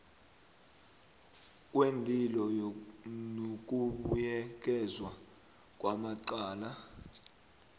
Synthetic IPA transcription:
k̬ʼwendʱʼilɔjnok̬ʼuɓujɛk̬ʼɛzwa | k̬ʼwamaǃaːla

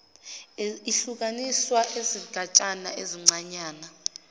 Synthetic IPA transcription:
iɬuk̬aniswaʔeziɡ̥ʱat͡ʃʼanaeziŋ͡ǀaɲaːna

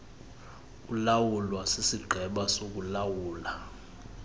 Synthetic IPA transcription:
kulawulwasisiɡ͡ǃʱɛɓasok̬ulawuːla

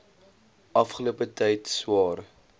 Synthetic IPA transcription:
ɐfχəluəpətɛjtswɑːr

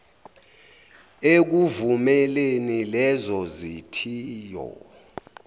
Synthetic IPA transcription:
ek̬uvumɛlenilɛzɔzitʰiːjɔ̰

